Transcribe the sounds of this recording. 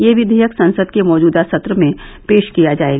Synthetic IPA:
jeʋɪd̪ʱijəksɐ̃nsəd̪kemɔːd͡ʒuːd̪asɐt̪ɾəmẽpeːʃkijad͡ʒaːeɡ

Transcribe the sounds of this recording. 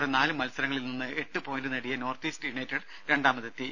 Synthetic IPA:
ɽenaːlɨmɐlsɐɾɐŋːɐɭilninːɨe̞ʈːɨpo̞ːjndɨneɽijɐno̞ːrt̪iːstuɳeːtːɐɽ | ɾe̞ɳɖaːmɐðɐt̪ːi

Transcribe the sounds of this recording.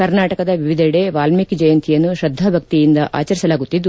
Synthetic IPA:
kɐɾnaːʈɐkɐd̪ɐʋiʋid̪ʱɐɽeʋaːlmikid͡ʒɐjɐnt̪ʰijɐnːuʃɾɐd̪ʱːɐbʱɐk̚t̪ijind̪ɐʔa̰ːt͡ʃɐɾisɐlaːɡut̪ːid̪ːu

